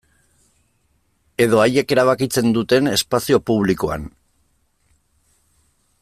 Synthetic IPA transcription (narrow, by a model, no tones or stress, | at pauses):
e̞ð̞o̞aje̞ke̞ɾaβ̞akit͡se̞nd̪ut̪e̞ne̞spasio̞puβ̞liko̞a̰n